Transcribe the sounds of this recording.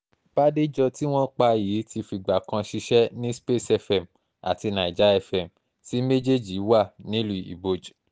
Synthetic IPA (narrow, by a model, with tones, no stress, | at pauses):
b̥a˦de˦d͡ʒɔ˧ti˦w̃ɔ̃˦k͡pa˧jiː˨˦ti˧fi˧ɡ͡ba˨kã˧ʃi˧ʃɛ˦nĩ˦spe˦˨sɛ˧˨fɛ˨m | a̰˨ti˧nã˨i˨d͡ʒa˨˦ɛ˦˨fɛ˨m | si˨˦me˦d͡ʒe˦d͡ʒi˨˦wa˦˨nĩ˦lu˦˨ḭ˨bo˨d͡ʒ